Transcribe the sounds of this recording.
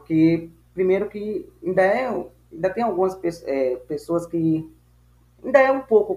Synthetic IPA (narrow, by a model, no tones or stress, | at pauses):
ke | pɾimeɾʊkiẽnd̪ɐɛ | ẽnd̪ɐt̪ẽj̃aɡũɐspesɛpesoɐski | ẽnd̪ɐɛũpokʊ